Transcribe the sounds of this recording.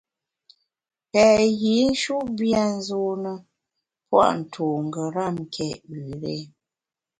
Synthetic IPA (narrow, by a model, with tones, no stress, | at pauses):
pɛ˨ɣi˨˦n̩˦ʃu˦ʔbja˦n̩˦zo˨nə˨ | pwa̰˦ʔn̩˨tʰo˨ŋ̩˨ɡə˨ɾa˦˨m˨kʰɛ˦˨ʔbʉ˨ɾe˦